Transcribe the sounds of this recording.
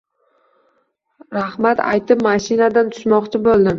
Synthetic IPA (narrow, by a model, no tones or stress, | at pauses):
ɾahmat̪ʰa̰jt̪ɪpmaʃinad̪ant̪ʰʊ̥ʃmɒqt͡ʃʰɪbolˠd̪ɪm